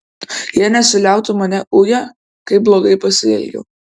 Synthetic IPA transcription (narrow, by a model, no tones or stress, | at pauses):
jiɛnʲɛsʲɪlʲæˑʊt̪ʊmɐnʲɛʔʊjɛ | kɐɪblˠoːɡɐɪpɐsʲɪɛ̰lʲɡʲɛ̰ː